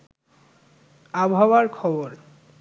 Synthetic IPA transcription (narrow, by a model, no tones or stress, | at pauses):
abʱawaɾkʰɔboɾ